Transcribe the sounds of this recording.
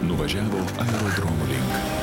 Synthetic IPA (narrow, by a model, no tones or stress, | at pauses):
nʊʋɐʒʲæːʋoːɐɛɾoːd̪ɾomuɾʲɪŋk